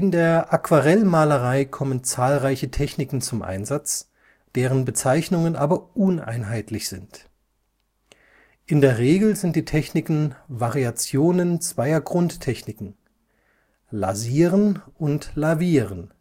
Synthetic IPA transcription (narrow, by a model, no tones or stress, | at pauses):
ʔɪndeːɐʔakv̥aʁɛlmaːləʁaɪkʰɔmənt͡saːlʁaɪçətʰɛçnɪkŋ̩t͡sʊmʔa̰ɪnzat͡s | d̥eːʁənbət͡saɪçnʊŋənʔaːbɐʔʊnʔa̰ɪnɦaɪtʰlɪçz̥ɪnt | ʔɪndeːɐʁeːɡl̩zɪnt̚d̥iːtʰɛçnɪkn̩vaʁiat͡sjoːnənt͡sv̥aɪɐɡʁʊnttʰɛçnɪkŋ̩ | la̰ziːʁənʊntlaviːʁən